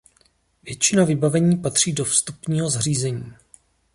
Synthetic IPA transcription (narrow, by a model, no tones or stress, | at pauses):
vjɛt͡ʃɪnavɪbavɛɲiːpat̪r̝̥iːdo̞fst̪upɲiːɦo̞zr̝iːzɛɲiː